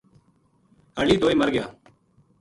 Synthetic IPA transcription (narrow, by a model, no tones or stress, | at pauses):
həɭiːd̪oːiːməɾɡɪja̰ː